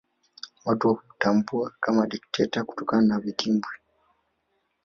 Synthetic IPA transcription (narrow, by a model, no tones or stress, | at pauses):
watotambuakamaɗik̚tʰetaku̥tokanaβitimbwi